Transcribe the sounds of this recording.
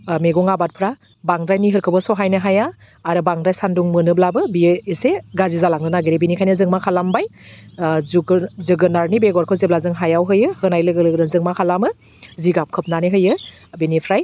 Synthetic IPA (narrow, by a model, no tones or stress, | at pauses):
meɡɔŋabat̚pʰɾa | baŋdɾajniɦɯɾkʰɯbɯsɔɦajnɯɦajaː | ɾɯbaŋdɾajsanduŋmɯnɯblabɯbieseɡazizalaŋnɯnaɡiɾebinikʰajnɯzɯŋmakʰalambaj | zɯɡɯnaɾnibeɡɔɾkʰɯzeblazɯŋɦajawɦɯjɯhɯnajlɯɡɯlɯɡnɯnzɯŋmakʰalamɯ | ziɡap̚kʰɯp̚naniɦɯjɯ | binipʰɾaj